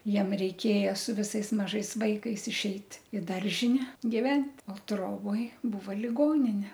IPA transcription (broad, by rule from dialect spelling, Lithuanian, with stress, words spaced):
ˈjiɛm rʲɛɪˈkʲeːjɛ sʊ ʋʲɪˈsɐɪs mɐˈʒɐɪs ˈʋɐɪkɐɪs ɪʃʲˈɛɪt ɪ ˈdɐrʲʒʲɪnʲɛ ɡʲɪˈʋʲɛnʲtʲ oː ˈtroːboːj ˈbuːʋɐ lʲɪˈɡoːnʲɪnʲɛ